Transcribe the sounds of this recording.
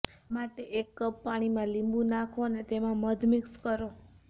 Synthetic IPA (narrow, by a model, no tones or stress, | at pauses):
maʈeʔekːəbːaɽ̃imãlimbũnakʰonet̪emãməd̪ʱmɪkskəɾo